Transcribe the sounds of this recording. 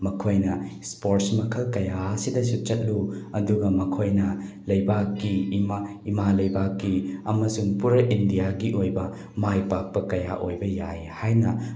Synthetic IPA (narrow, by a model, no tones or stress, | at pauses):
mɐkʰojnɐspoɾʈsmɐkʰɐlkɐjaɐsidɐsut͡ʃɐt̚luɐduɡɐmɐkʰojnɐ | lɐjbakːimaː | malɐjbakːiɐmɐsuŋpuɾɐʔindijaɡiʔojbɐ | majpak̚pɐkɐja̰ʔojbɐjajhajnɐ